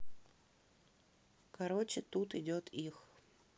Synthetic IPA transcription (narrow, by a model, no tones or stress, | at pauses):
kɐɾot͡ɕɪt̪ut̪ɪdʲot̪ʰix